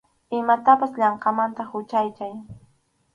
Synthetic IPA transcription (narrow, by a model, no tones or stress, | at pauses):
ɪmat̪apasʎɑɴqɑmant̪ahʊt͡ʃajkaj